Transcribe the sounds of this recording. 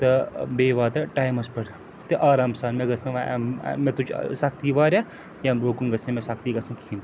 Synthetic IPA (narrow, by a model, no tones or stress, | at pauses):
t̪ɐbeːʋaːt̪ɐʈaːjmɐspɐɽ | t̪eʔaːɾaːmsaːnmẽɡɐsɐ̃ʋa̰mẽt̪ut͡ʃʰsɐkʰt̪iːʋaːɾʲaː | jaɾokunɡɐsʰemẽsɐkt̪iɡɐsɐnkʰiːn